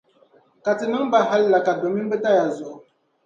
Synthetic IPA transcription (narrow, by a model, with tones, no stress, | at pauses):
ka˨tɨ˨nɨ˦ŋba˦ɦa˦lla˨ka˨dɔ˨mi˦bə˦ta˦ja˨zɔ˨ʔ